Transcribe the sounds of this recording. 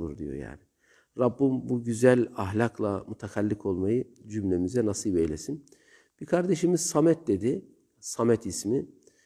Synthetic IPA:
ṵɾd̪ijo̞̰ja̰ːnɪ | ɾabːumbuɟyzælʲaɦlʲakʰlˠamut̪ʰakʰalʲːikʰo̞lˠmajɯd͡ʒymlʲe̞mizɛnasijbejlʲe̞sin | b̥ikʰaɾd̪e̞ʃimiz̥samɛt̪̚d̪e̞d̪i | samɛt̪ʰismi

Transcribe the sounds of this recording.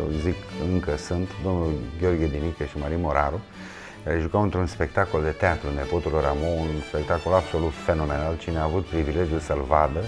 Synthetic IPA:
ḛzikɨŋkəsunt̪d̪o̞mnulɡʲeo̞rɡʲed̪inikʲeʃimaɾimo̞ɾaɾu | kaɾeʒukawɨnt̪ɾunspe̞k̚t̪ako̞ld̪e̞t̪eat̪ɾune̞po̞t̪ulɾamounspe̞k̚t̪ako̞labso̞lut̪fe̞no̞me̞nalt͡ʃineaːvut̪̚pɾivile̞d͡ʒijulsəlvad̪ə

